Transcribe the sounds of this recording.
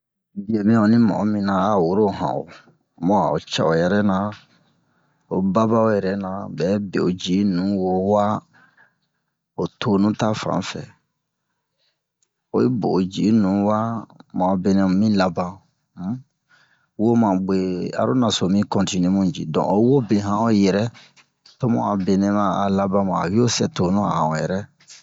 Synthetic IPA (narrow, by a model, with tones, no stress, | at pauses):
d͡ʒe˨bẽ˦o˨nĩ˦mɔ̰˨˦mĩ˨nã˨a˦˨wo˦ɾo˦˨ɦã̰˨o̰˨ | mɔ̃˦a̰˨o̰˨t͡ʃa˨o˨jɛ˨ɾɛ˦nã˨ | o˨ba˦ba˦o˦jɛ˨ɾɛ˦nã˨bɛ˨˦bḛ˨o˨d͡ʒi˨˦nũ˨˦wo˦wa˦ | o˨tʰo˦nũ˦ta˦fã̰˨˦fɛ̰˨ | o˨je˦bo˨d͡ʒi˨nũ˨˦wa˦mã˨be˨nɛ̃˦˨mĩ˦la˨bã˦ | wo˦mã˨ɡ͡be˨a̰˨ɾo˦na˨so˨mĩ˦kɔ̃˨nti˨ne˦mũ˦˨d͡ʒḭ˨dɔ̰̃˨ʔo˨˦wo˦bẽ˨ɦã˦o˦jɛ˨ɾɛ˦ | to˦mṵ̃˦a˨be˨nɛ̃˦mã˨a̰˨la˦bã˦mã˨a̰˨bi˦o˦sɛ˨to˨nũ˦a̰˨hã˨o˨jɛ̰˨ɾɛ˦